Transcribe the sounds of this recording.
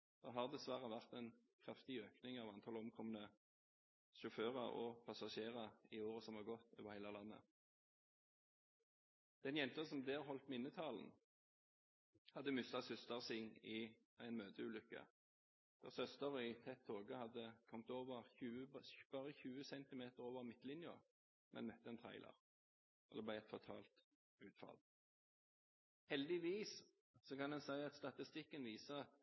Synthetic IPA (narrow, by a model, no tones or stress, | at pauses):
d̪̥oɦɑːʁd̪ɛsʋæʁəʋæʁt̪æɪnkʰʁɑft̪ɪøːknɪŋɑːʋɑnt̪ʰɑːlɔmkʰɔmənə | ʃʊføːʁɑɔ̰pʰɑsɑʃeːʁɑɪoːʁəsɔmhɑɡɔt̪ːo̰ːʋəʁhæɪlɑlɑnːə̰ | d̪̥ɛnjɛnt̪əsɔmd̪eːʁɦɔlt̪mɪnːət̪ʰɑːln̩ | hɑd̪ːəmʏst̪ɑsʏst̪ɑʁsɪŋɪ | æɪnmøːd̪əʉːlʏkːə̰ | d̪̥ɛ̰ːʁsœst̪əʁəɪt̪ʰɛt̪ʰːoːɡəhɑd̪ːəkʰɔmt̪oːʋəʁçʉːəbb̥ɑːʁəçʉːəsɛnt̪ɪmeːt̪əʁoːʋəʁmɪt̪ːlɪnjə | mɛ̰nmœt̪ːəɛnt̪ʰæ̰ɪlə̰ʁ | ʔɔd̪ɛːblæɪæɪt̪fɔʁt̪ʰɑːlt̪ | ʉːt̪fɑ̰l | hɛld̪ɪʋiːs | sɔkɑnd̪ɛnsæɪɑt̪st̪ɑt̪ɪst̪ɪkːənʋiːsə